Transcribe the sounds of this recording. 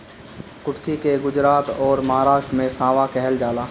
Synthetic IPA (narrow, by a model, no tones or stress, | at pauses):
kʊʈkikeɡʊd͡ʒɾaːt̪ɔːɾmɐɦaːɾaːʃʈɾmẽsãːʋakɛɦɛld͡ʒaːlaː